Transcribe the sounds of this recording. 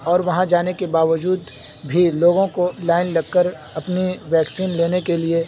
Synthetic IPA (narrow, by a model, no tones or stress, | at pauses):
ɔːɾʋɐɦãd͡ʒaːnekebaːʋəd͡ʒuːd̪ | bʱiloːɡõkolaːɪnlɐɡ̚kːəɾ | ɐpniʋɛːksiːnleːnekelie